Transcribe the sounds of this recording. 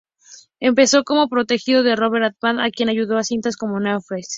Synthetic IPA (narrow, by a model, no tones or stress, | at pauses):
e̞mpe̞so̞ko̞mo̞pɾo̞t̪e̞xiðo̞ðe̞ro̞βe̞ɾat̪mana̰kje̞naʝuðo̞asint̪asko̞mo̞neofɾes